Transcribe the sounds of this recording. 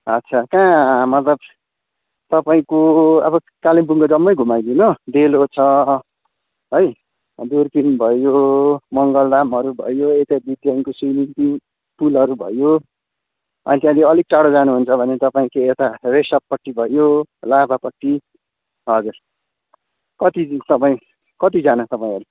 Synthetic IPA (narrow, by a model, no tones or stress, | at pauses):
ʌtːt͡sʰakãmʌt̪lʌb̚ | t̪ʌpaĩkoʌ̰bʌ | kalimpuŋɡʌd͡zʌmːʌjɡʱumajd̪inod̪elot͡sʰʌ | ɦoj | d̪urkinbʱʌjomʌŋɡʌldamɦʌɾubʱʌ̰joet̪abid̪jaŋkosijninpin | pulɦʌɾubʱʌ̰jo | ʌ̰nit̪jãd̪iʌlik̚ʈaɽod͡zanuɦunt͡sʰʌbʱʌnet̪ʌpaĩkeet̪aresʌppʌʈːibʱʌjolabʱapʌʈːi | ɦʌd͡zur | kʌt̪it̪ʌpaĩ | kʌt̪id͡zanʌt̪ʌpaĩɦʌɾu